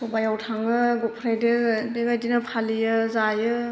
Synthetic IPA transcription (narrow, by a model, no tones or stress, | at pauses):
sɔbajawtʰaŋɯɡupʰɾajdedeɡajdinɯpʰalijɯzajɯ